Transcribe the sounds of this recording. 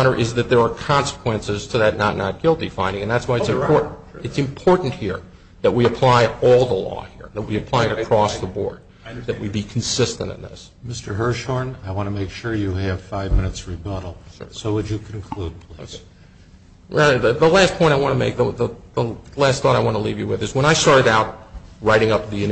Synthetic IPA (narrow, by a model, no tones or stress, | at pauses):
ɾ̃ə˞ʔɪzðɨt̪̚ðə˞ːkʰɑ̃nsə̥kʰw̥ɛ̃nsɨz̥tʰɨðɨtⁿnə̰tⁿnə̰t̚ɡ̥ɪlˠtifãɪ̃ndɪ̃ŋɨ̃nðætswaɪɨtsɨ̃mpʰɔɹʔn̩ | ɨtsɨ̃mpʰɔɹʔn̩ʔhiɹ | ðɨt̚wiɨpʰl̥aɪɔlˠðəlɔ̰hiɹðɨt̚wiɨpʰl̥aɪɨɾɨkʰɹ̥ɔsðəbɔ̰ɹd̪̚ | ðɨt̚wibikʰn̩sɪstɨ̃ntɨ̰̃nðɪ̰s | mɪstə˞ɦɜ˞ʃɔɹnaɪwɑ̃ñtəmeɪkʃʊɹjɨɨv̥faɪvmɪ̃nɨtsɹibʌɾl̩ˠsoʊwɨd͡ʒɨkʰn̩kʰl̥ud̚pʰl̥iz̥ | aðɨðəlæspʰɔ̃ɪ̃ɾ̃aɪwɑ̃ñəmeɪk̚ðəðəðəlæst̪̚θɔɾaɪwɑ̃nəlivjɨwɨðɨzwə̃ɾ̃aɪstɑɹɾɨɾaʊt̚ɹaɪɾɪ̃ŋʌp̚ðiɨ̃n